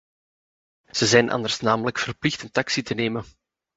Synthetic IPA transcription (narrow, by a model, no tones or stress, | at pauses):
z̥əzɛjnʔɑ̰nd̪ərsnaːmələkfərplɪxtənt̪ɑksitəneːmən